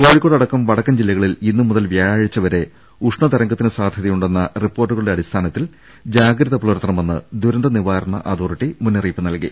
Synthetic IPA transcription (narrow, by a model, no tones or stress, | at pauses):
ko̞ːɻikːoːɽɐɽɐkːɐmʋɐɽɐkːɐmd͡ʑilːɐɣɐɭilinːumuðɐlʋjaːɻaːɻit͡ɕːɐʋɐɾe̞ | uʂɳɐt̪ɐɾɐŋɡɐt̪ːinɨsaːd̪ʱjɐðɐjuɳɖe̞nːɐripːo̞ːrʈːuɣɐɭuɽe̞ɐɽist̪ʰaːnɐt̪ːil | d͡ʑaːɡɾɐðɐpɭoːɾɐt̪rɐmenːɨ̰d̪uɾɐnd̪ɐniʋaːɾɐɳɐ̰ʔaːd̪oːriʈːimunːɐriːpːɨnɐlkḭ